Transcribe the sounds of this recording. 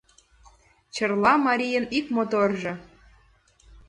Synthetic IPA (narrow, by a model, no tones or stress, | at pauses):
t͡ɕərlɑmɑɾʲijənikmot̪orʒɤ̆